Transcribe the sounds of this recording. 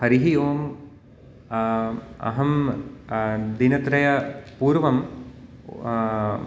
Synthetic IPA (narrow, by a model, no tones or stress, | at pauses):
hɐɾiɦijoːm | ɐ̰ɦɐm | d̪inɐt̪ɾɐjɐpuːɾʋɐm